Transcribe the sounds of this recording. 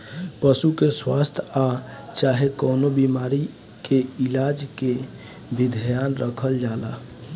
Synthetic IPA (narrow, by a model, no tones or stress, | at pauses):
pəsukeswa̰st̪ʰa | t͡ʃaɦekoːnobimaɾi | keilad͡ʒke | bid̪ʱjanɾəkʰəld͡ʒala̰